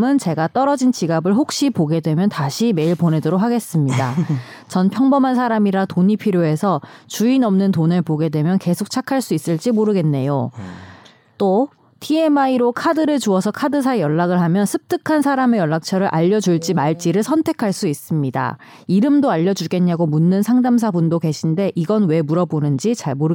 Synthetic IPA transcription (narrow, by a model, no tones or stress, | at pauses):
mɯnt͡ɕe̞ɡat͈ʌɾʌd͡ʑint͡ɕiɡabɯɭɦok̚ɕ͈ipoɡe̞dwe̞mjʌntaɕʰime̞iɭpone̞dɯɾok̚ɦaɡe̞s͈ɯmɲida | t͡ɕʌnpʰjʌŋbʌmansʰaɾamiɾatoɲipʰiɾjoe̞sʰʌt͡ɕuinʌmnɯntonepoɡe̞dwe̞mjʌnke̞sʰok̚t͡ɕʰakʰaɭs͈uis͈ɯɭt͡ɕ͈imoɾɯɡe̞nːe̞jo | t͈o | tʰie̞maiɾokʰadɯɾɯɭt͡ɕuʌsʰʌkʰadɯs̬ʰaejʌɭːaɡɯɭɦamjʌnsʰɯp̚t͈ʰɯkʰansʰaɾame̞jʌɭːak̚t͡ɕʰʌɾɯɭʔaʎːʌd͡ʑuɭt͡ɕ͈imaɭt͡ɕ͈iɾɯɭsʰʌntʰe̞kʰaɭs͈uis͈ɯmɲida̰ | iɾɯmdoaʎːʌd͡ʑuɡe̞ɲɲaɡomunːɯnsʰaŋdamsʰabundoke̞ɕʰinde̞ʔiɡʌnwe̞muɾʌbonɯnd͡ʑit͡ɕaɭmoɾɯ